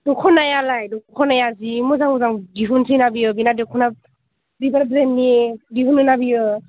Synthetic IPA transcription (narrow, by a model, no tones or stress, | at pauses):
dukʰɔnajalajdɔkkʰɔnajazimɔzaŋɔzaŋdiɦunsinabijɯbinadekʰɔna | bibaɾbɾenːidiɦunɯnabijɯ